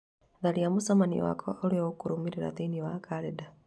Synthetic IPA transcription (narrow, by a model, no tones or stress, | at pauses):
ðaliamusamanḭwa̰kʰooɾioukuɾumiɾiɾa̰t̪iniwakaɾeda